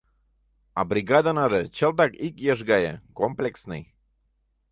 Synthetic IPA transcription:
ɑ̰bɾʲiɡɑd̪anɑʒet͡ɕəlt̪̬ɑkikjeʒɣɑjḛkomplʲeksnɨ̰j

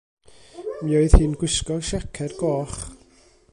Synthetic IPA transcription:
miːoɨð̥hiːnɡwɪskɔrʃɛkʰɛdɡɔːχ

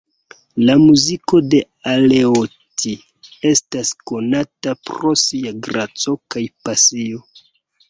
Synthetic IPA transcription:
lamuziko̞de̞ | ale̞o | ti | e̞stasko̞natapɾo̞siaɡɾat͡so̞kajpasio̞

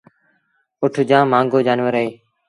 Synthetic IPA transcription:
ʊʈʰd͡ʒãːmãːŋɡoːd͡ʒaːnʋəɾeː

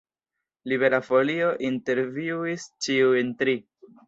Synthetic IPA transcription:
liβe̞ɾafo̞lioʔinte̞ɾviist͡ʃiujntɾi

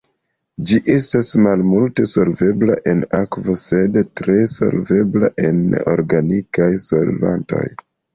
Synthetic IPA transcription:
d͡ʒiʔe̞stasmalmulte̞so̞lve̞blaʔe̞nakvo̞se̞dtɾe̞so̞̰lve̞bla̰ʔe̞no̞̰ɾɡanikajso̞lva̰nto̞̰j

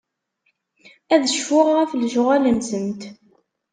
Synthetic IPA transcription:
æðəʃfʊʁʁæflʒʁæləmsənt̪

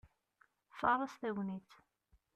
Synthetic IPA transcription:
fɑɾˤɑsθæwniθ

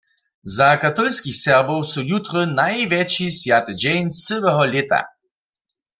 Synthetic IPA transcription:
zakat̪ɔlskixsɛʁbɔwsujut̪ʁənajvjɛt͡ʃisjat̪ɛd͡ʒɛnsəʋɛɦɔlɛt̪a̰

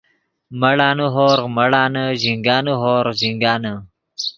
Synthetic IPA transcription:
mɐɽaːnuɦoːɾmɐɽaːnəʑiŋɡaːnuɦoːɾziŋɡaːnə

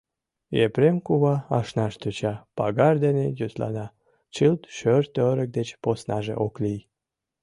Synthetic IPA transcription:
ḛpɾemkuβɑɑʃnɑʃt̪øt͡ɕɑpɑɣɑrd̪enejyslɑ̰nɑ | t͡ɕɨlt̪ʃørt̪øɾək̚d̪et͡ɕposnɑʒḛʔoklij

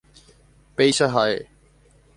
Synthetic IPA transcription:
peːʃaɦaːḛː

